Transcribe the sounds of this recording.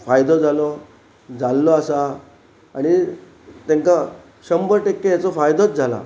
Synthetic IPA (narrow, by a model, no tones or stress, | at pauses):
fajd̪ɔd͡zʱalɔ | d͡zalːɔasaː | ɽ̃i | t̪aŋka | ɕəmbəɾʈekːejat͡sɔfajd̪ot͡s̚d͡zʱala̰